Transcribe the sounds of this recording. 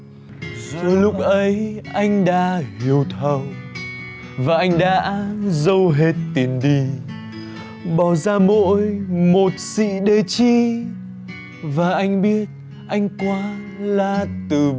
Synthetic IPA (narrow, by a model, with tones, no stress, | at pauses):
zɔ˨˦lʊ˦˥k͡p̚ʔə˨˦jʔa˧jŋ̟ɗa̰ː˧˥hi˨˩əwt̪ʰə˨˩w | vaː˨˩ʔa˧jŋ̟ɗa̰ː˧˥zə˧wɦe˨˩t̚t̪i˨˩ənɗi˧ | ɓɔ˨˩zaː˧mo̰˧˥jmo˨˩t̚sḭ˧˨ɗe˨˩t͡ɕi˧ | vaː˨˩ʔa˧jŋ̟ɓi˦˥ət̚ | ʔa˧jŋ̟kwaː˨˦ | laː˨˩t̪ɨ˨˩